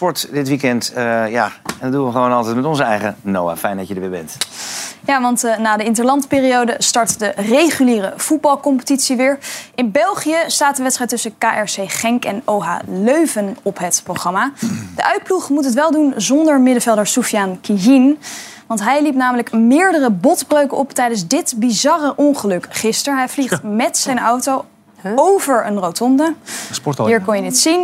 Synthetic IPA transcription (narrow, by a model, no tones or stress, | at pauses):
pɔɹtdɪtʋikɛntja̰ɛndɔdunʋəχəʋownɑlˠtɛjt̚mɛtɔnzəɛjχənowa̰ːfɛjndɑədəɹʋɪːɹbɛ̰nt | jaːʋɑntnaːdəɪntəlɑntpɪːriowdəstɑɹtdərejχyliːrəv̥ud̚bɑlˠkɔmpə̥titsiʋɪːɹɪnbɛlˠχijəstaːtdəʋɛtstrɛjtːɵsəkaːʔɛɹsejχɛŋkɛnowɦa̰ːløɥvənɔpɦətproχrɑmad̥əʔœɥt̚pluχmutɦətʋɛlˠdunzɔndəɹmɪdəvɛlˠdəɹsufjankijin | ʋɑntɦɛjlipnaːmələkmɪːɹdərəbɔtbrøɥkəʔɔptɛjdənzdɪtbizɑrəʔɔnχəlɵkχɪstəɹɦɛjvliχtmɛtsɛjnɑwtow | owvəɹənrowtɔndəsɔiːɹkɔnjəditsin